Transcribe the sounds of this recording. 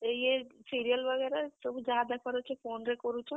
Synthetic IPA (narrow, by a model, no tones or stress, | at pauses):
jesiɾijəlʋəɡɛːɾasəbud͡ʒjaːd̪akəɾot͡ʃʰepoːnɾekɔɾut͡ʃʰɔ